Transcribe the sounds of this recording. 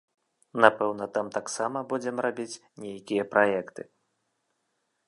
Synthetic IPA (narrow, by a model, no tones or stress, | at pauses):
napɛwnɐt̪amt̪aksamɐbud͡zʲɛmrabʲit͡sʲnʲejakʲijɐpɾʔajɛkt̪ɨ